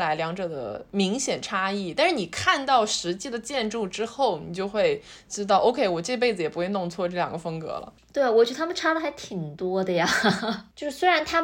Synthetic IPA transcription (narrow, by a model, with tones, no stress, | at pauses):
la˧˥ɪljɑ˧˥ŋʈ͡ʂɤ˨˩d̪ə̰˦mi˧˥ŋɕjɛ˨˩nʈ͡ʂʰa˥i˥˩t̪a˥˧nʂɻ̩˥˩ni˨˩kʰa˥˧nt̪ɑ˥˩ʊʂɻ̩˧˥t͡ɕi˥˩d̪ə˨t͡ɕjɛ˥˧nʈ͡ʂu˥˩ʈ͡ʂɻ̩˥xo˥˩ʊni˨˩t͡ɕjo˥˧ʊxwe˥˧˩ɪ | ʈ͡ʂɻ̩˥t̪ɑ˥˩ʊʔo˥ʊkʰe˥ɪwɔ˨˩ʈ͡ʂe˥˩ɡə˧p̬e˥˩ɪd͡zɹ̩˩jɛ˨˩pu˧˥xwe˥˧ɪnʊ˥˧ŋt͡sʰwɔ˥˧ʈ͡ʂɤ˥˩jɑ̰˨˩ŋɡə˦fɤ˥ŋkɤ̰˧˥lə̰˧˩t̪we˥˩ɪ˩wɔ˨˩t͡ɕjə˩a˥mə˨nʈ͡ʂʰa˥d̪ə˨xa˧˥ɪt̪ʰi˨˩ŋt̪wɔ˥d̪ə˧ja˩jo˥˧ʊʂɻ̩˥swe˥ɪɻa˧˥nt̪ʰa˥